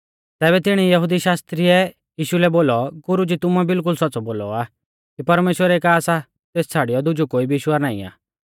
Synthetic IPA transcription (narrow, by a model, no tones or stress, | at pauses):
t̪ɛːbɛt̪ɪɽ̃ijɐɦʊd̪iʃaːst̪ɾiɛ | jiːʃulɛboːlɔɡʊɾud͡ʒit̪ʊmɛbɪlk̬ʊlsɔtːt͡sɔboːlɔ̰aː | kipɐɾmeːʃwəɾɛekaːsa | t̪eːst͡sʰaːɽijɔd̪ʊd͡ʒukoːibɪʃwaɾnaːḭa̰ː